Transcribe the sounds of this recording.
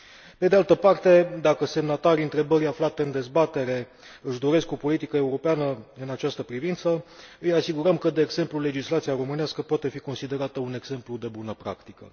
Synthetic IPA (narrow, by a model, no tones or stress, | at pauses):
pe̞d̪ealt̪əpart̪e̞d̪akəse̞mnat̪aɾiɨnt̪ɾe̞bəɾʲaflat̪e̞ɨnd̪e̞zbat̪e̞ɾe̞ | ɨʃd̪o̞ɾe̞sko̞po̞lit̪ikəe̞uɾo̞peanəɨnat͡ʃast̪əpɾivint̪səɨjasiɡuɾəmkəd̪e̞ːɡz̥e̞mplule̞d͡ʒislat̪siaɾo̞mɨneaskəpoat̪e̞fiko̞nsid̪e̞ɾat̪əune̞ɡz̥e̞mplud̪e̞bunəpɾa̰kt̪ikə̰